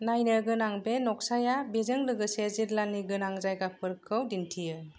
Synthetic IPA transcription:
najnɯɡɯnaŋbenɔk̚sajabezɯŋlɯɡɯseziɾlanːiɡɯnaŋzajɡapʰɯɾkʰɯwdintʰijɯ

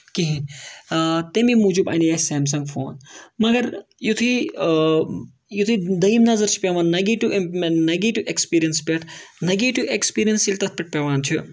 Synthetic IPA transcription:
kiɦi | t̪emimud͡ʒubɐ̰nijaːseːms̬ɐŋɡfʰo̰ːnmɐɡɐɾjut̪ʰi | jut̪ʰid̪ɐimnɐzɐɾt͡ʃʰi̥pʲeʋaːnːɐɡiːʈunɐɡiːʈuʔekspiːɾijɐnspʲeʈʰnɐɡiːʈuʔekspiːɾijɐnsilʲt̪ɐt̪̚ʰpiʈ̚pʲɐʋaːnt̪ʰu

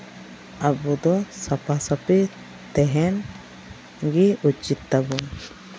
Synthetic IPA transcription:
abud̪ɔsapasapi | t̪ɛɦɛn | ɡiut͡ʃit̪ːaɡun

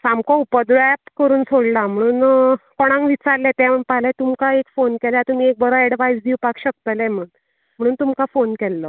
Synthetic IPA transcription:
samkɔ̃upəd̪ɾoɛpkəɾuːnsoɽlam̤əɽ̃uːnkɔɽ̃ãŋkʋit͡saɾlɛt̪ɛ̃m̤əɳpaɦlɛ̃t̪umkaekfonkɛljat̪umiːek̚bəɾɔɛɽʋajsd̪ʱiwpakɕək̚t̪əlɛ̃m̤əɽuːn | m̤əɽ̃uːnt̪umkafonkɛlːə

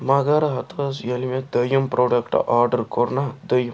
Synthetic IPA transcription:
maɡaɾɐɦɐt̪ʰɐsjɐlimẽd̪ɐjumpɾoːɖɐkʈɐ̰ʔaːɾɖɐɾkoɾnad̪ɐjum

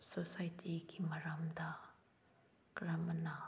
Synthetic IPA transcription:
sosajtʰikimɐɾamd̪a | kɾɐmna

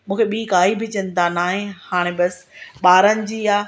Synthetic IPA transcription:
mũːkʰeɓiːkaːibʱɪt͡ɕə̃nd̪anaːɦẽhaːɽ̃ẽbɐsɓaːɾənɪ̆d͡ʑiːaː

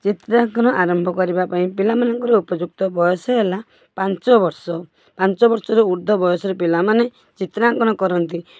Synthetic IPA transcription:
t͡ʃit̪ɾaŋkɔnɔʔaɾɔmbʱɔkɔɾibapaĩpilamanɔŋkɔɾɔupɔd͡ʒuk̚t̪ɔbɔjɔsɔela | pant͡ʃɔbɔɾsɔ | pant͡ʃɔbɔɾsɔɾɔuɾd̪ʱɔbɔjɔsɔɾepilamane | t͡ʃit̪ɾaŋkɔñɔkɔɾɔnt̪i

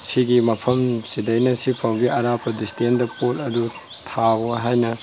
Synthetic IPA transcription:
siɡimɐpʰɐmsidɐjnɐsipʰɐwɡiɐɾapʰɐdistʰendɐpolɐdu | tʰabɐɦajnɐ

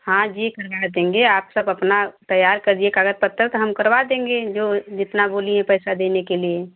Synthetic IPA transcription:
hãd͡ʒiːkəɾbad̪ẽːŋɡeaːpsəbɐpnat̪ɐjːaːɾkəɾd͡ʒ̪iekaːɡət̪̚pət̪ːəɾt̪ɦɐmkəɾbad̪ẽːŋ̆ɡed͡ʒoːd͡ʒɪt̪naboːliẽpəɪsad̪eːnekelie

